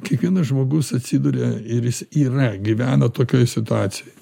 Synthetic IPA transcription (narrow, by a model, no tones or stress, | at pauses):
kʲiɛkʋʲiɛnɐsʒmoːɡʊsɐt̪ʲsʲiːd̪uːɾʲeɪɾjɪsiːrɐɡʲiʋʲæːnɐt̪oːkʲoːjsʲɪt̪ʊɑːt͡ssʲɪjjj